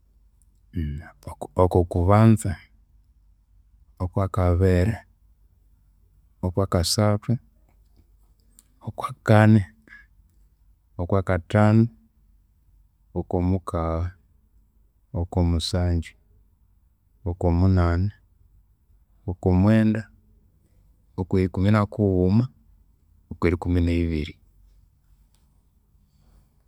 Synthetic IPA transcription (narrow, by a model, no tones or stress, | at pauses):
okokuβaːnza | okwaːkaβeɾe | okwaːkasaːtwe | okwaːkane | okwakataːno | okomukaβa | okomusaːɲɟi | okomunaːne | okomweːnda | okweikuminakuuma | okweɾikumineiβiɾi